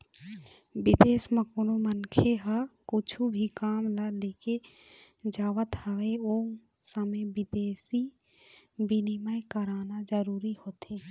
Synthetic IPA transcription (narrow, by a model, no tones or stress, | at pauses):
bɪd̪eːsməkʊnumənkʰeɦakʊt͡ʃʰubʱikaːmlaleːke | d͡ʒaːʋət̪həʋeoː | səmẽbɪd̪eːsi | bɪnɪməjkəɾaːnad͡ʒəɾuːɾihoːt̪eː